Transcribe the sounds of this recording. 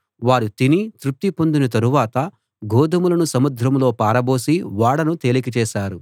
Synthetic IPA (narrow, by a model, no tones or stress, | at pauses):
ʋaːɾut̪init̪ɾup̚t̪ːipo̞nd̪unɐt̪ɐɾuʋaːt̪ɐ | ɡɔːd̪ɐmulɐnusɐmud̪ʱɾɐmlo̞ːpaːɾɐbo̞ːsiʋaːɽɐnut̪e̞ːlik̬it͡ʃɛːʃaːɾu